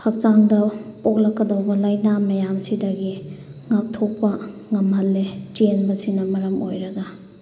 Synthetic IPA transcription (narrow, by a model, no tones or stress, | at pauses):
hɐk̚t͡ʃaŋdɐpok̚lɐkːɐdɐwbɐlajnamɐjamsidɐɡiŋak̚tʰok̚pɐŋɐmhɐlːetenbɐsinɐmɐɾɐmʔojɾɐɡɐ